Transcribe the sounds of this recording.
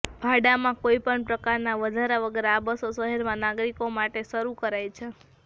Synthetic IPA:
bʱaɖamãkoipəɳpɾəkaɾnaʋəd̪ʱaɾaʋəɡəɾeabəsosəɦɛɾmãnaɡɾikomaʈeʃəɾukəɾajt͡ʃʰe

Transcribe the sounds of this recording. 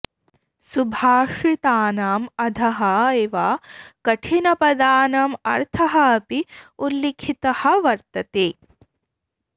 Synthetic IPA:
subʱaːʂit̪aːnaːmɐd̪ʱɐɦɐeːʋaːkɐʈʰinɐpɐd̪aːnaːmɐ̰ɾt̪ʰɐɦɐːpiulːekʰit̪ɐhɐʋɐɾt̪ɐt̪eː

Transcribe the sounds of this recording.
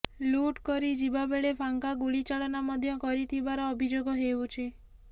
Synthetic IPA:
luʈkɔɾid͡ʒibabeɭepʰaŋkaɡuɭit͡ʃaɭɔnamɔd̪ʱjɔkɔɾit̪ʰibaɾɔːbʱid͡ʒoɡɔɦeut͡ʃʰi

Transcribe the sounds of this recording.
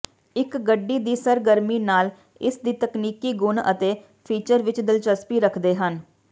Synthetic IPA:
ɪkɡəɖːiːd̪iːsəɾɡəɾmiːnaːl | ɪsd̪iːt̪əkniːkiːɡʊnə̰t̪eː | pʰiːt͡ʃəɾʋɪt͡ʃd̪ɪlt͡ʃəspiːɾəkʰd̪eːɦən

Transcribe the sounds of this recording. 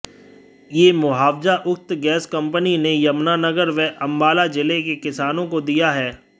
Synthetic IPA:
jeːmʊɦaːʋzaʔʊk̚t̪ɡɛːskɐ̃mpəninejɐmnanɐɡəɾʋɛʔɐ̃mbaːlad͡ʒɪlekekɪsaːnõkod̪ijaɦɛː

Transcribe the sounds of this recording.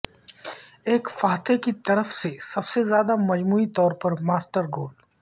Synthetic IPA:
eːkfaːt̪ʰekit̪ɐɾəfsesɐbsezjaːd̪amɐd͡ʒmuːit̪ɔːɾpɐɾmaːsʈəɾɡoːl

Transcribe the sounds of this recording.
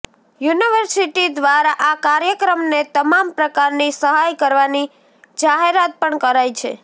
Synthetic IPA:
juniʋəɾsiʈid̪ʋaɾaʔakaɾjəkɾəmnet̪əmampɾəkaɾnisəɦajkəɾʋani | d͡ʒaɦeɾat̪̚pəɳkəɾajt͡ʃʰḛ

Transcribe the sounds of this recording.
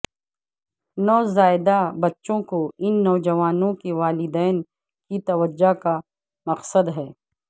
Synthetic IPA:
nɔːzaːɪd̪abɐtːʃõkoɪnːɔːd͡ʒɐʋaːnõkeʋaːlɪd̪ɛːn | kit̪ɐʋəd͡ʒːaka | mɐqsəd̪ɦɛː

